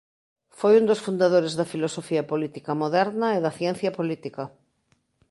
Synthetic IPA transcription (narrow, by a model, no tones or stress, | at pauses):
fojund̪osfund̪aðoɾezðɐfilosofiɐpolit̪ikɐmoðɛɾnɐeðɐθjɛn̟θjɐpolit̪ikɐ